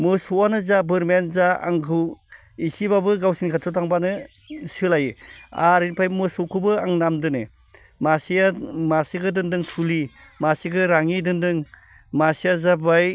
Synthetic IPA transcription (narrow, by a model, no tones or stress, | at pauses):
mɯsuwanɯzabɯɾmenzaa̰ŋkʰɯw | isibabɯɡawsinkʰatʰɯtʰaŋbanɯ | sɯlajɯa̰ɾinpʰajmɯsukʰubɯaŋnamdɯnɯ | masiamasiɡɯdɯndɯŋtʰuli | masiɡɯɾaŋidɯndɯŋ | masijazabaj